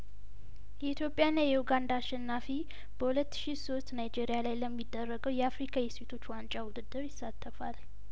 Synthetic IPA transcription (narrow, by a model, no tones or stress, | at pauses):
jɛit̪ʰjo̞pʼjanːajɛhuɡand̪aːʃɛnːafi | b̥əhulət̪ːɨ̥ʃiso̞st̪najd͡ʒe̞ɾijalajləmːid̪ːərːəɡəwjɛafɾikʰajɛse̞t̪ʰo̞t͡ʃːwant͡ʃʼawud̪ɨd̪ːɨɾjɪsːat̪ʰːəfal